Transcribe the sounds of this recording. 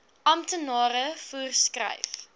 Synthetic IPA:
ʔɐmtənɑːɾəfuərskrɐ̰jf

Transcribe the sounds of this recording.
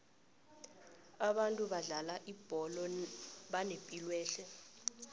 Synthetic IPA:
aɓantʼuɓaɮalaʔib̥ʱɔlɔɓanepʼilwɛːɬɛ

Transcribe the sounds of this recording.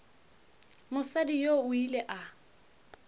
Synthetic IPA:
mʊsadijoʊileʔa

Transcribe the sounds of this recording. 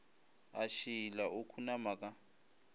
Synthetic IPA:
aʃilaʔokʰunamakʼa

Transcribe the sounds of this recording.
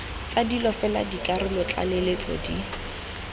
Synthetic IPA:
t͡sadilɔfɛla̰dikʼarɪmʊt͡ɬʼa̰lelet͡sʼɔ̰di

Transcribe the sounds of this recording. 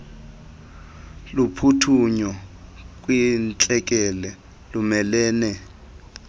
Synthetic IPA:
lupʰutʰuɲɔk̬ʼwint͡ɬʼɛk̬ʼɛlɛ | lumɛlɛːnɛ

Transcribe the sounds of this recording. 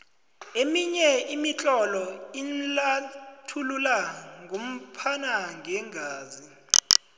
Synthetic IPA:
emiɲɛimit͡ɬʼɔlɔinlatʰululaŋʱom̩pʰanaŋʱɛŋʱaːzi

